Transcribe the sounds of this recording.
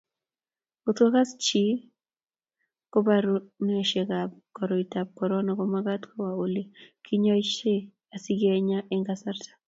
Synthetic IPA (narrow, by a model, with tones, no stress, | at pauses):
ot̪ɔ˦ka˦st͡ʃi˦ | ko˦ba˦ɾu˦n˦ɛ˨ʃe˨ɡa˨b̚kɔ˨ɾɔ˨i˨ta˨b̚kɔ˨ɾɔ˦nɔ˨kɔ˦maɡa˦tkʰɔ˦wa˨o˨le˨kʰi˦ɲɔ˦i˦ʃe˦ | a˨si˦ɡe˦ɲa˦ʔɛ˦ŋɡa˦sa˦rtḁ˨